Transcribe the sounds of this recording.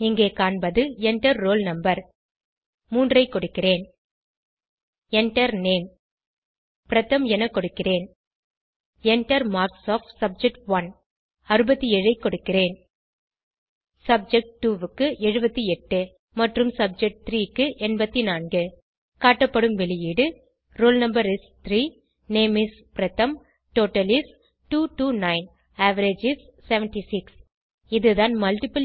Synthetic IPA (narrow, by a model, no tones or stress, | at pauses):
ɪŋɡeːkaːɳbɐðɯɛɳʈɐɾːoːlnɐmbɐɾ | muːndrɐɪkːɔɽɯkːɪreːn | ɛɳʈɐɾneːn | pɪɾɐt̪ːɐmɛnɐkːɔɽɯkːɪreːn | ɛɳʈɐɾmaːɾksoːfʈsɐb̚d͡ʒɛk̚ʈʋɐn | ɐɾɯbɐt̪ːiɛɻɐɪkːɔɽɯkːɪreːn | sɐb̚d͡ʒɛk̚ʈʈːuːʋɯkːɯʔɛɻɯbɐt̪ːiɛʈːɯ | mɐʈrɯmsɐb̚d͡ʒɛk̚ʈ̚t̪ɾiːkːɯʔɛnbɐt̪ːinaːnɡɯ | kaːʈːɐpːɐɽɯmʋɛɭɪjiːɽɯ | ɾoːlnɐmbɐɾɪst̪ɾiː | neːmis | pɪɾɐt̪ːɐm | ʈoːʈːɐlɪs | ʈuːʈuːnɐɪn | aːʋɐɾed͡ʒɪsːɛʋɛnʈisɪks | ɪðɯðaːnmɐlʈɪpɐl